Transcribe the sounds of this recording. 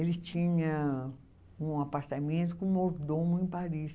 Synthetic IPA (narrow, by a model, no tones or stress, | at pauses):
elɪt͡ʃĩɲɐ | ũapaɾt̪amẽnt̪ʊkõoɾd̪õmʊẽpaɾis